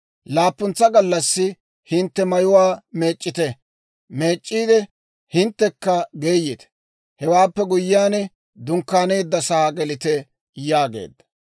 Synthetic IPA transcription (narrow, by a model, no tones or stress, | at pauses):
laːpːʊnt͡sːɐɡɐlːɐsːɪ | hɪnt̪ːɛmɐjʊwaːme̞ːt͡ʃʼːɪt̪ɛ | meːt͡ʃʼːiːd̪ɛ | hɪnt̪ːɛkːɐɡe̞ːjːɪt̪ɛ̥ | hɛwaːpːɛɡʊjːɪjaːnɛ | d̪ʊŋkːaːne̞ːd̪ːɐsɐhaɡɛlɪt̪ɛ | jaːɡe̞̰ːd̪ːɐ̥